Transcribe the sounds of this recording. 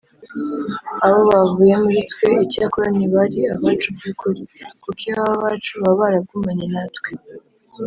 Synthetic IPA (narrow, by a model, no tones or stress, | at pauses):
aβo̞βavuːje̞muɾitwe̞icakuɾaniβaɾiaβaːt͡ʃubɡikuɾikukiaβaβaːt͡ʃuβaβaɾab̚ɡumaɲenatwe